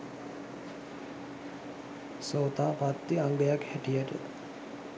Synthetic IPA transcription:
soːt̪aːpat̪ːiaŋɡəjakhæʈijəʈə̰

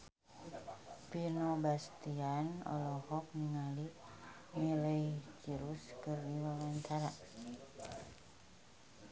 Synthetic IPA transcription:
pirnobast̪ianɔ̰lɔhɔk̚niŋali | miləjt͡ʃiɾuskɨrdiwawaɲt͡ʃaɾa

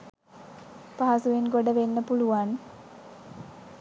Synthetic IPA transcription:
paɦasuʋeŋɡoɖəʋenːəpuluʋan

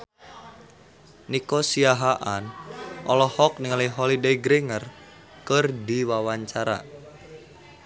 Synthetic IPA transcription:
nikosiaɦaʔanʔɔlɔhɔk̚niŋaliɦɔlideiɡɾeŋər | kərdiwawaɲt͡ʃaɾa̰

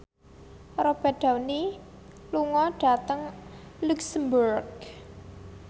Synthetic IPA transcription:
ɾɔpɛɖ̥a̤wni | luŋɔɖ̥a̤t̪əŋluksəmbuɾɡ

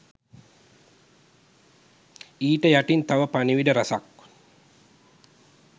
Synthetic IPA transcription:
iːʈəjaʈint̪aʋəpaniʋiɖəɾasa̰k

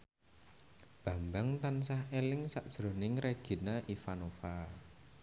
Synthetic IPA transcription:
b̥ä̤mbaŋt̪ansahelɪŋsaʔd̥ʒ̥ɾo̤nɪŋreɡ̥i̤naʔifanofa

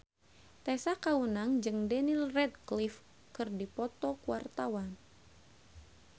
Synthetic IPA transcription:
t̪ɛsakawunaŋd͡ʒɨŋdɛnilrɛd̪̚klif | kɨrdipɔt̪ɔkuwart̪awan

